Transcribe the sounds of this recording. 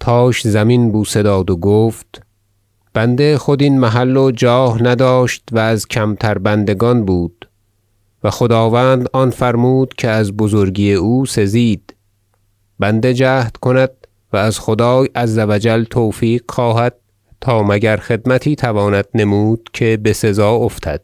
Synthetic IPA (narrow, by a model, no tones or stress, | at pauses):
t̪ʰɒːʃzæminbuːse̞d̪ɒːd̪oɡoːft̪ | b̥ænd̪e̞xod̪inmæɦælːod͡ʒɒːhnæd̪ɒːʃt̪væːzcʲʰæmt̪ʰæɾbænd̪e̞ɡɒːnbuːd̪̥ | væxod̪ɒːvæːnd̪ɒːnfæɾmuːd̪̥cʰe̞æzbozoɾɡijeuːse̞ziːd̪̥ | bænd̪e̞d͡ʒæːht̪kʰo̞næd̪̥̚ | væːzxod̪ɒːjæzːævæd͡ʒælt̪ʰoːfiːqxɒːɦæd̪̥̚ | t̪ʰɒːmæɟæɾxe̞d̪mæt̪ʰiːt̪ʰævɒːnæd̪̥̚ne̞muːd̪̥̚cʰe̞bese̞zɒːoft̪ʰæd̪̥̚